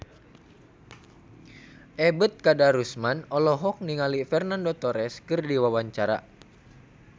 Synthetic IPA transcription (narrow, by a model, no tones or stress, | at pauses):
ʔɛbət̪̚kadaɾusmanɔlɔɦɔk̚niŋalifɛrnandot̪ɔɾɛskɨrdiwawaɲt͡ʃaɾa̰